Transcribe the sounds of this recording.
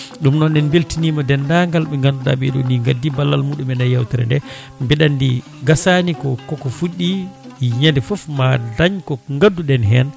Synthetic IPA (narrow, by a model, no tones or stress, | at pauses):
ɗumnɔnɛnbeltinimɔdɛndaŋɡalɓɛŋɡanduɗa̰ɓɛɗo̰niŋɡadːibalːalmuɗumɛnajːawtɛɾɛ̰ndɛ | mbɛɗandḭ | ɡasanikɔkɔkɔfuɗːiɲandɛfɔfmadaɲkɔŋɡadːudɛnɦɛn